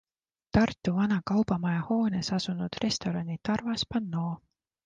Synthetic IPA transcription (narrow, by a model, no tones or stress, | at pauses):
t̪ɑrt̪ːˑuvɑnɑkɑwbɑmɑjɑho̞ːnesɑsunud̪̥re̞st̪o̞ɾɑnit̪ɑrvɑspɑnːo̞ː